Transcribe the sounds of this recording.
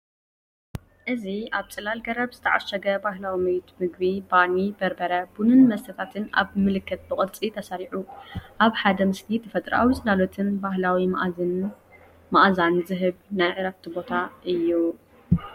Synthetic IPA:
ʔɨziaβt͡sʼɨlalɡɐɾɐbz̥ɨt̪ʰɐʕa̰ʃɐɡɐbaɦlawimɐjt̪ʰmɨɡ̚bibanibɐɾbɐɾɐbunɨnmɐst̪ʰɐt̪ʰat̪ʰɨna̰βmɨlɨkʰːɐt̪̚bɨχʼɨd̪t͡sʼit̪ʰɐsaɾiʕuʔaβħad̪ɐmɨsnit̪ɨfɐt̪ʼɾa̰wit͡sʼɨlalot̪ʰɨnbaɦlawi | maʔzanzɨɦɨβnajʕɨɾɐf̚t̪ʰibo̞t̪ʰaʔɨjːu

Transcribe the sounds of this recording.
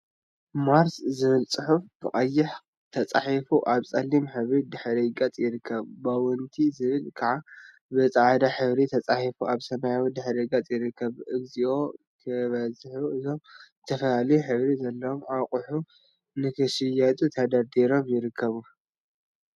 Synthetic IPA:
maɾszɨβɨlt͡sʼɨħufb̥ɨχʼɐjːɪħ | t̪ʰɐt͡sʼaħifuʔaβt͡sʼɐlːimħɨβɾid̪ɨħɾɐɡat͡sʼjɪɾɨkʰːɐβbawɨnt̪ʰizɨβɨlkʰaʕa | bɨt͡sʼaʕad̪aħɨβɾit̪ʰɐt͡sʼaħifuʔaβsɐmajawid̪ɨħɾɐɡɐt͡sʼjɪɾɨkʰːɐβʔɨɡziʔo̞ | t̪ʰɐβɐzħuʔɨzo̞mɨt̪ʰɐfɐlalijuħɨβɾizɐlːɐwomaqʼʊħu | nɨkʰɨʃɪjat̪ʼut̪ʰad̪ad̪iɾo̞mjɪɾɨkʰːɐβu

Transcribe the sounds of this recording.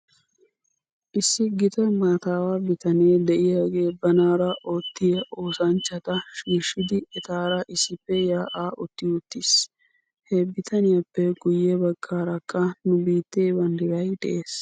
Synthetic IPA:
ʔɪsːɪɡɪt̪ɐmaːt̪aːwaːbɪt̪ɐneːd̪ɛʔɪjaːɡe̞ːbɐnaːɾɐʔoːt̪ːɪjɐʔo̞ːsɐnt͡ʃːɐt̪ɐʃiːʃɪd̪ɪɛt̪aːɾɐʔɪsːɪpːɛjaːʔaːʔɔt̪ːɪʊt̪ːɪs | hɛbɪt̪ʰɐnɪjɐpːɛɡʊjːɛbɐɡːaːɾɐkʼːɐnʊbiːt̪ːeːbɐnd̪ɪɾɐjd̪ɛʔeːs

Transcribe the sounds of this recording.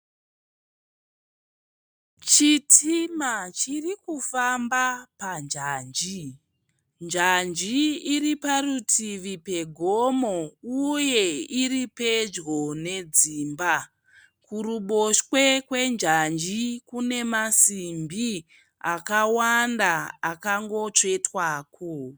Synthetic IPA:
t͡ʃitʰimat͡ʃirikufambapand͡ʒaːnd͡ʒi | nd͡ʒand͡ʒiːriparutʰiʋipe̞ɡʱo̞mo̞uje̞iripe̞d͡ʒɡo̞ne̞d͡ziːmba | kuɾuɓo̞ʃwe̞kwe̞nd͡ʒand͡ʒikune̞masimbi | akawandaːkaŋɡo̞t͡ʂe̞twaːkʰo

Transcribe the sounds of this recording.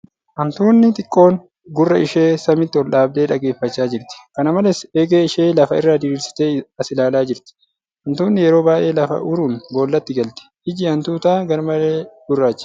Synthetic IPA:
ʔɐnt̪uːnːɪt̪ʼɪkʼːo̞ːŋ | ɡʊrːɐɪʃeːsɐmɪt̪ːɪwɔlᶑaːb̚d̪e̞ːᶑɐɡe̞ːfːɐt͡ʃːaːd͡ʒɪɾt̪ɪ̥kɐnɐmɐlɛseːɡeːɪʃe̞ːlɐfɐɪrːaːd̪ɪɾiːɾsɪ̥t̪e̞ːɐsɪlaːlaːd͡ʒɪɾt̪ɪ̥ | hɐnt̪uːnːɪjɛɾo̞ːbaːʔe̞ːlɐfɐ̰ʔʊɾuːnbo̞ːlːɐt̪ːɪɡɐlt̪ɪ̥ʔɪd͡ʒɪɐnt̪uːt̪aːɡɐɾmɐleːd̪̥ʊrːaːt͡ʃːɪ̥

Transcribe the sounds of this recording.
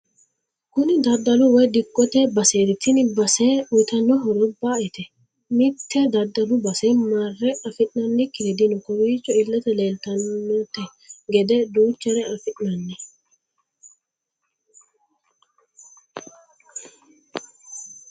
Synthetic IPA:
kʊnɪd̪ɐd̪ːɐlʊwɔjd̪ɪkːɔt̪ɛbɐseːɾɪt̪ːɪnbɐsɛʊjt̪ɐnːɔɦɔɾɔbaːɛt̪ɛ | mɪt̪ːɛd̪ɐd̪ːɐlʊbɐsɛmarːɛɐfɪʔnɐnːɪkːɪlɛd̪ɪnɔkɔɾiːt͡ʃːɔɪlːɛt̪ɛleːlt̪ɐnːɔt̪ːɛ | ɡɛd̪ɛd̪uːt͡ʃːɐɾɛɐfɪʔnɐnːɛ

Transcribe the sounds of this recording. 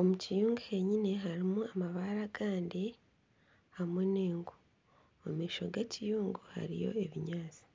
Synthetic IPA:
o̞mucijuːŋɡuhe̞ɲine̞ɦaɾimuamaβaɾaɡaːndi | amweneːŋɡu | omiːʃo̞̰ɡecijuːŋɡuha̰ɾḭjo̞̰eβiɲaːt͡si̥

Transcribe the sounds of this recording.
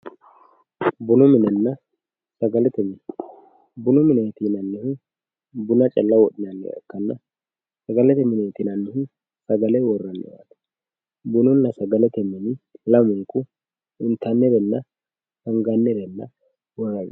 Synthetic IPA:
bʊnɔmɪnɛnːɐ | sɐɡɐlɛt̪ɛmɛn | bʊnɔmɪnɛjt̪inɐnːɪhʊ | bʊnɐt͡ʃʼɐlːɐwɔɗɪnɐnːɛ̰ɛ̰kːɐnːɐ | sɐɡɐlɛt̪ɛmɪnɛjt̪inɐnːɪhɪ | sɐɡɐlɛwɔrːɐnːɛ̰wa̰t̪ɐ̥ | bʊnɔnːɐsɐɡɐlɛt̪ɛmɪnɪlɐmʊkʊ | ɪnt̪ɐnːɛɾɛnːɐ | hɐŋɡanːɛɾɛnːɐ | wɔrːɐj

